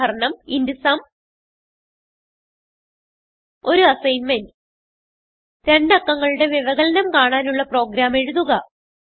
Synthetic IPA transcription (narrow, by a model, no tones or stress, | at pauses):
ɐɾɐɳɐmindisaːm | o̞ɾuɐsɐjnmend | ɾe̞ɳɖɐkːɐŋːɐɭuɽe̞ʋiʋɐɣɐlɐnɐmkaːɳaːnuɭːɐpro̞ːɡɾaːme̞ɻuðuɣɐ